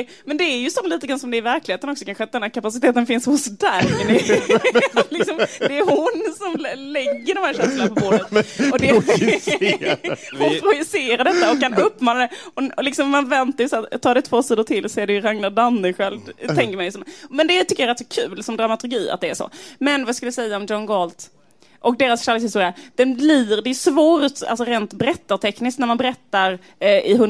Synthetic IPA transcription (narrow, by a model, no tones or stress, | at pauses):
mɛnd̪ɛːɾjɵsɔmliːt̪əɡɾansɔmd̪ɛɾvæɾklɪheːt̪ənɔksɔkʰanɧəat̪̚d̪ɛnhæːɾkʰapasɪt̪eːt̪ənfɪnshʊsd̪aɡnɪ | lɪksɔmd̪ɛːɾhʊnsɔmlɛɡːəɖɔmhæːɾʂɛnslanpɔbʊdət̪ɔd̪ɛ | hʊnpʰɾʊjɪseːɾaɖɛt̪ːaɔkkːanɵpːmɑːnad̪ɛɔlɪksɔmmanvɛnt̪ajst̪ʰːɑːd̪ɛt̪ʰvoːsiːd̪ʊt̪ʰɪlɔsɔɛːd̪ɛjɾaŋnadanːəɧɛlt̪ʰɛŋkəmanɪsɔmmɛnd̪ɛt̪ʏkːəjaɾɛt̪ːsɔkʰʉːlsɔmd̪ɾamat̪ʰɵɾɡiːa̰t̪̚d̪ɛːʂɔ̰mɛnvajɑskɵləjasɛjːaɔmd͡ʒɔnɡɔlt̪ | ʔɔk̚d̪eːɾasʃalɪkshɪst̪uːɾɪad̪̥ɛnbliɾd̪ɛːjʉʂvoːɾt̪a̰lsɔɾeːnt̪bɛɾɛt̪ːat̪ʰɛknɪsknæɾmanbɛɾɛt̪ːaɾ | ɪɦɵn